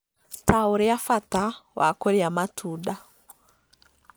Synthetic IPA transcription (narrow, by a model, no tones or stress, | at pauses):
tawuɾejafatawʔa̰koɾjamatʰuda